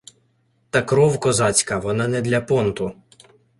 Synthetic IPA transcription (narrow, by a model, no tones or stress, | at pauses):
t̪ɑkɾɔwkɔzɑt͡sʲkɐʋɔnɑnɛd̪lʲɐpɔnt̪ʊ